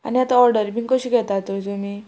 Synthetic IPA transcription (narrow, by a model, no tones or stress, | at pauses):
a̰niat̪aɔɾɖəɾbiŋɡkəɕuːɡʱɛt̪at̪od͡zumi